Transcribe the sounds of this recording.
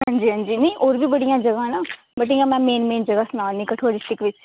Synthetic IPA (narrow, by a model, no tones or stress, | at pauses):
ɦə̃ɲd͡ʒiːɦə̃nd͡ʒiːnẽĩʔoːɾbiːbəɽijãːd͡ʒəɡãnaː | bəʈ̬ĩŋɡamɛ̃ːmeːnmeːnd͡ʒəɡasʊnaːnĩkəʈʰoːɽɪsʈɪkʋɪt͡ʃ